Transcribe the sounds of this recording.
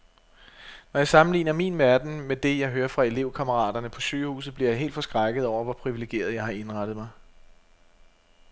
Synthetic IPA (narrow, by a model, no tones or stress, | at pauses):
nɒjɑ̈ɪsɑ̈mn̩lḭːnɐmḭnʋæɐd̥n̩med̥e̝jɑ̈ɪɦøːɐfʁɑ̈e̝le̝ʊ̰kʰɑməʁɑ̰̈ːd̥ɐnəpʰɒ̽ɕøːhṵːsð̩ˠb̥liɐjɑ̈ɪe̝̰ːldfɒ̽sɡ̥ʁɑɡ̥əð̩ˠɒʊ̰ɐʋɒ̽pʰʁiʋile̝ɡ̥e̝̰ːɐð̞ˠjɑ̈ɪhɑ̈e̝nʁɑd̥ð̩ˠmɑ̈ɪ